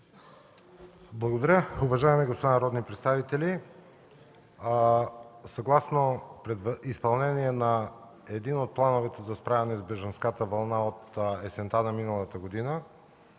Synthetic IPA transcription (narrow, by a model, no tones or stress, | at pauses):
blˠɐɡod̪ɐɾjəʊvɐʒaɛmɛɡost̪anɐɾɔd̪nipɾɛt̪st̪avit̪ɛli | sɐɡlˠasnopɾɛd̪vispɐlˠnɛniɛnɐ | ɛd̪inot̪̚plˠanovɛt̪ɛzɐspɾavɛnɛzbɛʒɐnskat̪əvɐlˠnaot̪ɛsɛnt̪anɐminəlˠət̪əɡod̪inə